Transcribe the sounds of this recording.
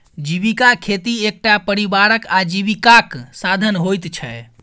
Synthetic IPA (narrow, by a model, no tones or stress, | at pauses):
d͡ʒiβikakʰet̪iek̚ʈapəɾibaɾəkad͡ʒiβikaksad̪ʱənɦojt̪t͡ʃʰɛ